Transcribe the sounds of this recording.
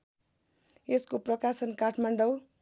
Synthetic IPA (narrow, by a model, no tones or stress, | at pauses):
eskoprʌkasʌnkaʈʰmaɳɖʌw